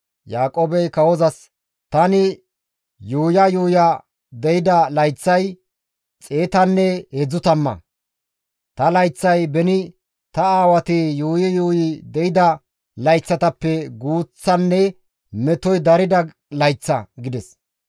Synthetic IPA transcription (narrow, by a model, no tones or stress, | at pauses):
jaːkʼoːbɛjkɐwɔzɐs | t̪ɐnɪ | juːjɐjuːjɐ | d̪ɛjɪd̪ɐlɐjt͡sːɐj | t͡sʼeːt̪ɐnːɛhɛd͡zʊt̪ɐmːɐ̰ | t̪ɐlɐjt͡sːɐjbɛnɪ | t̪ɐaːwɐt̪ɪjuːjɪjuːjɪd̪ɛjɪd̪ɐ | lɐjt͡sːɐt̪ɐpːɛɡuːt͡sːɐnːɛ | mɛt̪ɔjd̪ɐɾɪd̪ɐ | lɐjt͡sːɐɡɪd̪ɛs